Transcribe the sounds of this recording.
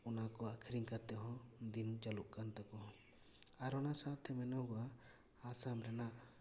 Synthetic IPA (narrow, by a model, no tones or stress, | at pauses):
ɔnakɔakʰiɾiŋkat̪ɛɦɔ̃d̪int͡ʃaluʔkant̪ɛkɔ | aɾɔnasat̪ʰɛmɛnɔɡɔa | asamɾɛnaʔ